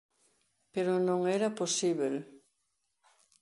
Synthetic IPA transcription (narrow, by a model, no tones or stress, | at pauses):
peɾonõŋɛɾaposiβel